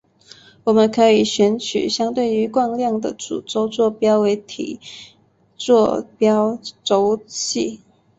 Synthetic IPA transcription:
wɔ˨˩mə˦nkʰɤ˧˥i˨˩ɕɥɛ˧˥nt͡ɕʰy̰˨˩ɕjɑ˥ŋt̪we˥˩ɪy˧˥kwɑ˥˧ŋljɑ˥˩ŋd̪ə̰˨˩t͡sṵ˨˩t͡so˥ʊt͡swɔ˥˩pjɑ˥ʊwe˧˥ɪt̪ʰḭ˨˩ | t͡swɔ˥˩pjɑ˥ʊt͡so˥ʊt͡ɕʰḭ˥˩

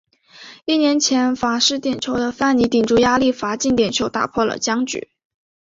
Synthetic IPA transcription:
i˥˩njɛ˧˥nt͡ɕʰjɛ˧˥nfa˧˥ʂɻ̩˥˩t̪jɛ˨˩nt͡ɕʰjo˧˥ʊd̪ə˧fa˥˩ni˧˥t̪i˨˩ŋʈ͡ʂu˥˩ja˥li˥˩fa˧˥t͡ɕi˥˩ŋt̪jɛ˨˩nt͡ɕʰjo˧˥ʊt̪a̰˨˩pʰwɔ˥˩lə̰˨˩t͡ɕjɑ˥ŋt͡ɕy̰˨˩˦

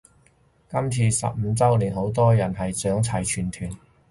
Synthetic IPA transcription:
kɐ˥mt͡sʰiː˧sɐ̰˨p̚m̩˨˧t͡sɐ˥wliː˨˩nho˨˥wt̪ɔː˥jɐ˨˩nɦɐ˨jt͡sœː˨˥ŋt͡sʰɐ˨˩jt͡ʃʰyː˨˩nt̪ʰyː˨˩n

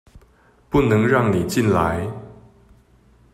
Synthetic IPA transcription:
pu˥˩nɤ˧˦˥ŋɻɑ˥˩ŋni˨˩t͡ɕi˥˩nla˧˦ɪ

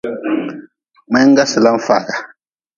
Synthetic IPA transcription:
mɛ˦ŋ̩˦ɡa˦si˨la˦ɱ̩˦fa˨ɡa˨

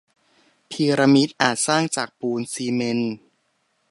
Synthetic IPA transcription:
pʰiː˧ɾa˧mi˦˥t̪̚ʔaː˨˩t̪̚saː˥˩ŋt͡ɕaː˨˩k̚puː˧nsiː˧me˧n

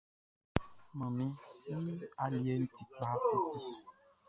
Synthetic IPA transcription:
mã˨mĩ˦nĩ˦a˨li˨e˦n̩˦ti˨k͡pa˦ti˦t̪i˦

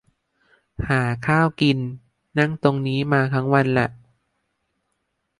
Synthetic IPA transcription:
haː˨˩˦kʰaː˥˩wki˧nː | a˥˩ŋt̪o˧ŋniː˦˥maː˧t̪ʰa˦˥ŋwa˧nlɛ˨˩ʔ

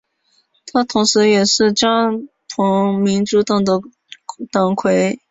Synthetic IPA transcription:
t̪ʰa˥t̪ʰʊ˧˥ŋʂɻ̩˧˥jɛ˨˩ʂɻ̩˥˩t͡ɕjɑ˥ŋ | t̪ʰʊ˧˥ŋmi˧˥nʈ͡ʂu˧˥t̪ɑ˨˩ŋd̪ə˥ | t̪ɑ˨˩ŋkʰwe˧˥ɪ

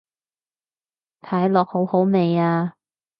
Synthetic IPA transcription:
t̪ʰaː˨˥jlɔː˨k̚ho˨˥who˨˥wme˨jaː˧

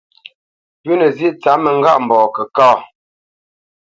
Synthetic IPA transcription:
pʉ˦nə˨zi˦ʔt͡sa˨˦mə˨ŋ̩˦ɡa˦ʔm̩˨bɔː˨kə˨kaː˦˨

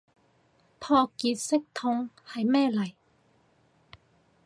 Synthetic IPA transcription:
pʰɔː˧kiː˨˧t̚sɪ˥k̚t̪ʰʊ˧ŋ | hɐ˨jmɛː˥˧lɐ˨˩j

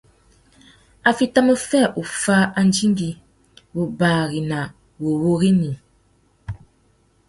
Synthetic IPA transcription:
a˨fi˦ta˦mə˦fɛ˦˨ʔu˨fa˦a˦n˦d͡ʒi˦ŋ˦ɡi˦ | wo˨baː˨ɣi˨na˨ | wo˨wo˦ɣi˦ni˨

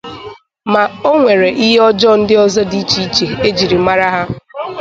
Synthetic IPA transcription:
ma˨o˦ŋʷe˨ɾe˨ʔi˦ɦe˦ɔ˦d͡ʒɔ˦n̩˦dɪ˦ɔ˦zɔ˦di˦t͡ʃi˦i˦t͡ʃe˨e˦d͡ʒi˨ɾi˨˦ma˦ɾa˦ɦa˦

